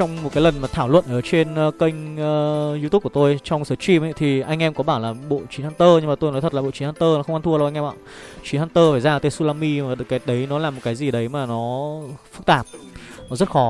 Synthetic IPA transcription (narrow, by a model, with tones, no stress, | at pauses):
t͡ɕɔ˧wŋ͡mmo˨˩t̚kaː˨˦jlə˨˩nmaː˨˩t̪ʰaː˧˩wlwə̰˧˨nʔəː˧˩t͡ɕe˧nː˧kə˧jŋ̟ː˨ | zu˧t̪u˦˥kːu˧˩t̪o˧jt͡ɕɔ˧wŋ͡msəː˨˦t͡ɕi˧mʔa̰˧˦jt̪ʰi˨˩ʔa˧jŋ̟ʔɛ˧mkɔ˨˦ɓaː˧˩wlaː˨˩ɓo̰˧˨t͡ɕi˨˦haː˧nt̪əː˧ɲɨ˧ŋmaː˨˩t̪o˧jnɔ˨˦t̪ʰə˨˩tlaː˨˩ɓo̰˧˨t͡ɕi˨˦haː˧t̪əː˧nɔ˨˦xə˧wŋ͡mʔa˧t̪ʰu˧wʔŋʔɛ˧ma̰ː˧˨t͡ɕi˨˦nhaː˧nt̪əː˧faː˧˩jzaː˧˨˩t̪e˧su˧laː˧mi˧maː˨˩˨kaː˨˦ɗə˨˦jnɔ˨˦laː˨˩mo˨˩t̚kaː˨˦jzi˨˩ɗə˨˦jmaː˨˩nɔ˨˦fɨ˦˥k̚t̪aː˨˩p̚nɔ˨˦zə˦˥t̚xɔ˨˦